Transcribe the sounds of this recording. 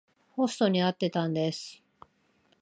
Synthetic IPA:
ho̞sɨ̥t̪o̞ɲ̟iat̪ːe̞t̪ãnd̪e̞sɨ̥

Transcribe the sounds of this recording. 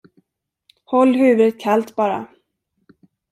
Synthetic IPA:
hɔlːhʉ̟ːvət̪̚kʰalt̪bɑːɾa̰

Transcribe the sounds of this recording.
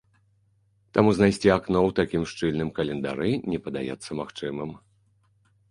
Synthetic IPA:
t̪amuznajsʲt͡sʲiaknɔwt̪akʲimʂt͡ʂɨlʲnɨmkɐlʲɛnd̪a̰ɾɨnʲɛpɐd̪a̰jɛ̰t̪sːɐmaxt͡ʂɨmɨm

